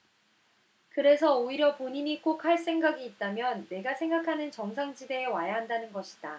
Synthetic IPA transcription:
kɯɾe̞sʰʌoiɾjʌpoɲiɲik͈ok̚ʰhaɭs͈e̞ŋɡaɡiːt̚t͈amjʌnːe̞ɡasʰe̞ŋɡakʰanɯnt͡ɕʌŋsʰaŋd͡ʑide̞ːwajaɦandanɯnɡʌɕʰi̥d̥a

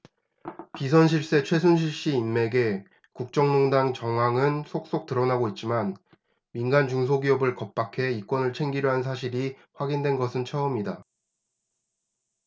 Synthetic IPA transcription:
pis̬ʰʌnɕ̬ʰiɭs͈e̞t͡ɕʰwe̞sʰunɕʰiɭɕ͈iːmːe̞ɡe̞ | kuk̚t͡ɕ͈ʌŋnoŋdaŋt͡ɕʌŋɦwaŋɯnsʰok̚s͈ok̚t͈ɯɾʌnaɡoit̚t͡ɕ͈iman | minɡant͡ɕuŋsʰoɡiʌbɯɭkʌp̚p͈akʰe̞ik͈wʌnɯɭt͡ɕʰe̞ŋɡiɾjoɦans̬ʰaɕ̬ʰiɾi | ɸwaɡindwe̞nɡʌsʰɯnt͡ɕʰʌʌmɲida

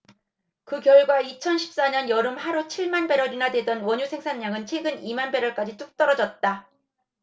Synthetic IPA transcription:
kɯkjʌɭɡwait͡ɕʰʌnɕʰi̥p̚s͈aɲʌnjʌɾɯmhaɾut͡ɕʰiɭmanbe̞ɾʌɾinadwe̞dʌnwʌɲusʰe̞ŋsʰanːaŋɯnt͡ɕʰwe̞ɡɯnimanbe̞ɾʌɭk͈ad͡ʑit͈uk̚t͈ʌɾʌd͡ʑʌt̚t͈a

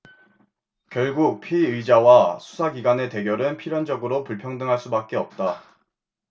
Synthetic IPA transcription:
kjʌɭɡuk̚pʰiiɯid͡ʑawasʰu̥sʰaɡiɡane̞te̞ɡjʌɾɯnpʰiɾjʌnd͡ʑʌɡɯɾopuɭpʰjʌŋdɯŋɦaɭs͈ubak̚k͈eʌp̚t͈a

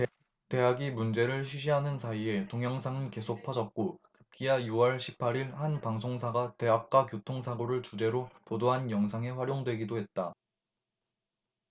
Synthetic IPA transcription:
te̞ɦaɡimund͡ʑe̞ɾɯɭɕʰiɕʰiɦanɯnsʰaie̞toŋjʌŋsʰaŋɯnke̞sʰok̚pʰad͡ʑʌt̚k͈okɯp̚k͈iajuʌɭɕʰi̥pʰaɾiɭhanpaŋsʰoŋs̬ʰaɡate̞ɦak̚k͈wakjotʰoŋsʰaɡoɾɯɭt͡ɕud͡ʑe̞ɾopodoɦanjʌŋs̬ʰaŋe̞ɸwaɾjoŋdwe̞ɡidoɦe̞t̚t͈a

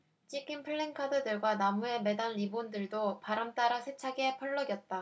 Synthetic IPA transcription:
t͡ɕʰikʰinpʰɯɭːeŋkʰadɯdɯɭɡwanamue̞me̞danːibondɯɭdopaɾamt͈aɾasʰe̞t͡ɕʰaɡe̞pʰʌɭːʌɡjʌt̚t͈a

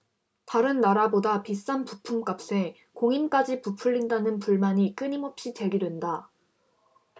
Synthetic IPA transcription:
taɾɯnːaɾabodapis͈anpupʰumk͈ap̚s͈e̞ | koŋink͈ad͡ʑipupʰuʎːindanɯnpuɭmaɲik͈ɯɲimʌp̚ɕ͈it͡ɕe̞ɡidwe̞nda

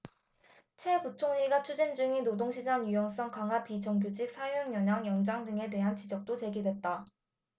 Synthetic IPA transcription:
t͡ɕʰwe̞put͡ɕʰoŋɲiɡat͡ɕʰud͡ʑind͡ʑuŋinodoŋɕʰid͡ʑaŋjujʌŋs͈ʌŋkaŋɦapit͡ɕʌŋɡjod͡ʑik̚sʰajoŋjʌɲaŋjʌŋd͡ʑaŋdɯŋe̞te̞ɦant͡ɕid͡ʑʌk̚t͈ot͡ɕe̞ɡidwe̞t̚t͈a

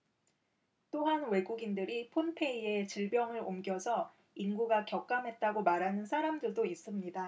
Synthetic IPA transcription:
t͈oɦanwe̞ɡuɡindɯɾipʰonpʰe̞ie̞t͡ɕiɭbjʌŋɯɾomɡjʌsʰʌ | inɡuɡakjʌk͈̚amɦe̞t̚t͈aɡomaɾɦanɯnsʰaɾamdɯɭdois͈ɯmɲida

